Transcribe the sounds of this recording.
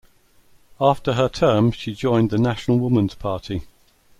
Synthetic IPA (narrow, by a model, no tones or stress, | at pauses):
ɑˑftəətʰɜːm̥ʃid͡ʒɔ̃ɪ̃nðənaʃənəlˠwʊmə̃nz̥pʰɑˑtʰi